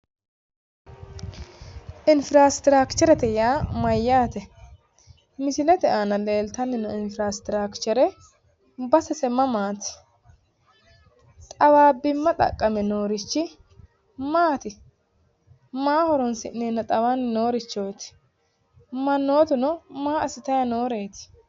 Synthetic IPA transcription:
ʔɪnfɪɾaːst̪ɪɾaːkt͡ʃɔɾɛt̪ɛjaːmɐjːaːt̪ɛ | mɪsɪlɛt̪ɛʔanɐleːlt̪ɐnːɪnɔɪnfɾast̪ɪɾaːkt͡ʃːɔɾɛ | bɐsɛsɛmɐmaːt̪ɪ̥ | t̪ʼɐwaːbɪmːɐt̪ʼɐ̰kʼːɐmɛnoːɾɪt͡ʃːɪ | maːt̪ɪ | maːhɔɾɔnsɪnːeːnːɐt̪ʼɐwaːnːɪno̞ːɾɪt͡ʃːo̞ːt̪ɪ̥ | mɐnːoːt̪ɪnɔmaːɐsɪt̪ɐjɐno̞ːɾe̞ːt̪ɪ̥

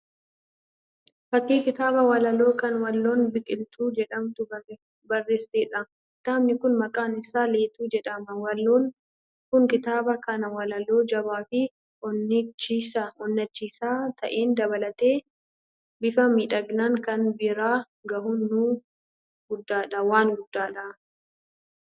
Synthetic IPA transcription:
fɐkʼːiːkɪt̪aːbɐwɐlɐlo̞ːkɐnwɐlːo̞ːnbɪkʼɪlt̪ʰuːd͡ʒɛᶑɐmt̪ʊ | bɐrːeːst̪eːᶑɐ | ɪt̪ːaːmnɪkʊnmɐkʼaːnɪsaːle̞ːt̪uːd͡ʒɛᶑɐmɐwɐlːoːn | kʊŋkɪt̪aːbɐkɐnɐwɐlɐlo̞ːd͡ʒɐβaːfɪ | ʔɔnːɪt͡ʃːiːsɐɔnːɐt͡ʃːiːsaːt̪ʰɐ̰ʔeːnd̪ɐβɐlɐt̪e̞ː | bɪfɐmiːᶑɐɡnaŋkɐnbɪɾaː | ɡɐhʊnːuː | ɡʊd̪ːaːᶑɐwaːnɡʊd̪ːaːᶑɐ

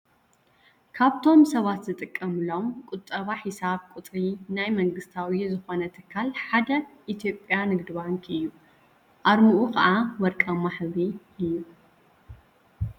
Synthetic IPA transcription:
kʰaβt̪ʰo̞msɐβat̪zɨt̪ʼɨkʼːɐmɨlo̞mkʼʊt̪ʼːɐβaħisaβkʷʼʊt̪ʼɾinajmɐŋɡɨst̪ʰawizɨxo̞nɐt̪ʰɨkʰːalħad̪ɐʔit̪ʰijo̞pʼjanɨɡd̪ɨβaŋkʰɨjːu | ʔaɾmuʔukɐ̰ʔawɐɾkʼɐmaħzi | ɨjːu

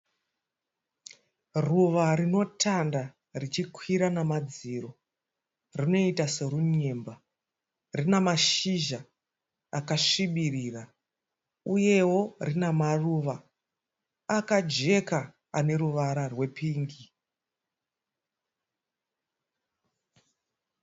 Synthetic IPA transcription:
ruʋarino̞tʰanda | rit͡ʃikʰwiɾanamad͡ziɾo̞ | rino̞itase̞ɾuɲemba | rinamaʃiʒa | akaʂiɓiriːra | uje̞wo̞rinamaruːʋa | kad͡ʒe̞ka | ane̞ɾuʋaɾarwe̞pʰiːŋɡi

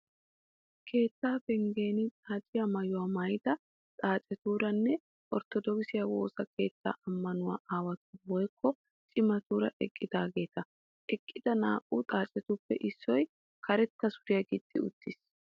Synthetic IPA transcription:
kʰe̞ːt̪ːaːfɛŋɡe̞ːnɪtʼaːt͡ʃʼɪjɐmɐjʊwamɐjd̪ɐ | t̪ʼaːt͡ʃʼɛt̪uːɾɐnːɛ | ʔɔɾt̪ɔd̪ɔɡɪsɪjɐwo̞ːsɐke̞ːt̪ːa̰ːʔɐmːɐnʊwa̰ːʔaːwɐt̪ʊwɔjkʰːɔ | t͡ʃʼɪmɐt̪uːɾɐ̰ʔɛkʼːɪd̪aːɡe̞ːt̪ɐ | ʔɛkʼːɪd̪̥ɐna̰ːkʼːuːt̪ʼaːt͡ʃʼɛt̪ʊpːɛʔɪsːɔj | kʰɐɾɛt̪ːɐsʊɾɪjɐɡɪd̪ʼːɪ̰ʊt̪ːɪs

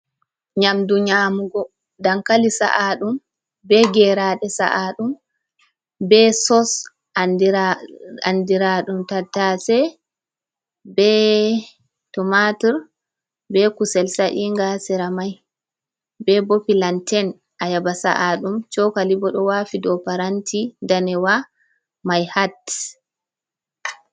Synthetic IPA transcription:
ɲamduɲamuɡɔ | daŋkalisa̰ʔaɗum | bɛɡɛɾaːɗɛsa̰ʔaɗum | bɛsɔs | d | andiɾaɗumtatːasɛ | bɛ | tɔmatiɾ | bɛkusɛlsaʔiŋɡasɛɾamaj | bɛbopilantʰɛn | ʔajabasa̰ʔaɗumt͡ʃɔkalibɔɗɔwafidɔpaɾantʰindanɛwa | majhat

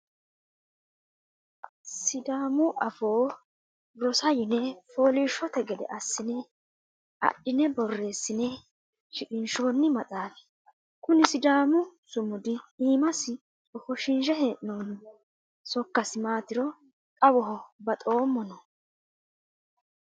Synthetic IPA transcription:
sɪd̪aːmʊʔɐfoː | ɾɔsɐjɪnɛfo̞ːliːʃːɔt̪ɛɡɛd̪ɛ̰ʔɐsːɪnɛ | ɐ̰ɗːɪnɛbɔrːe̞ːsːɪnɛ | ʃɪkʼɪnʃoːnːɪmɐt̪ʼaːfɛ̥ | kʊnɪsɪd̪aːmʊsʊmʊd̪ɪiːmɐsɪ | ɔfɔʃɪnʒɛheːʔɪnɔn | sɔkːɐsɪmaːt̪ɪɾɔ | kʼɐwɔɦɔbɐt̪ʼo̞ːmːɔnɔ

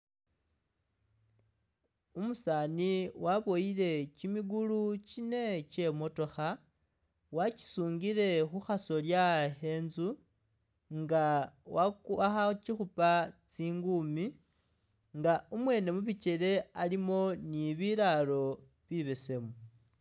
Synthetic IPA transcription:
umusaːniwaβo̞ile̞cimiɡulucine̞ce̞mo̞to̞xa | waci̥suːŋɡiɾe̞xuxaso̞ljahe̞ːnzu | ŋɡawakuaxat͡ʃixupat͡siːŋɡumi | ŋɡaumwe̞ːne̞muβit͡ʃe̞ɾe̞alimo̞niβiɾalo̞ | βiβe̞se̞mu

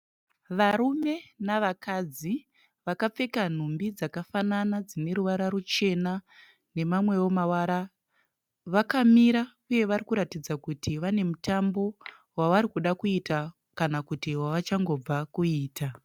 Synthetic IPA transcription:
ʋaɾume̞naʋakad͡zi | ʋakap͡fe̞kan̤umbid͡zakafananad͡zine̞ɾuʋaɾaɾut͡ʃe̞na | ne̞mamwe̞wo̞mawaɾa | ʋakamiɾa | uje̞ʋarikuɾatid͡zakutʰiʋane̞mutambo̞ | waʋaɾikuɗakuita | kanakutiwaʋat͡ʃaŋɡo̞b͡vakuiːta

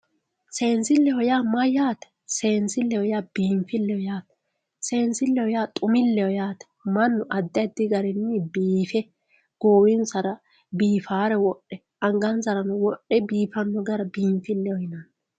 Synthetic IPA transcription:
se̞ːnsɪlːɛhɔjaːmɐjaːt̪ɛ̥ | seːnsɪlːɛhɔjaːb̥iːmfɪlːɛhɔjaːt̪ɛ̥ | se̞ːnsɪlːɛhɔjaːt̪ʼʊmɪlːɛjɔjaːt̪ɛ̥mɐnːʊʔɐd̪ːɐd̪ɪɡɐɾɛnːibiːfɛ | ɡ̥oːwɪnsɐɾɐ | biːfaːɾɛwɔʔːɛ | ɐŋɡɐnzɐɾɐnɔwɔʔɛbiːfɐnːɔɡɐɾɐbiːmfɪlːɛwɔjɪnɐn

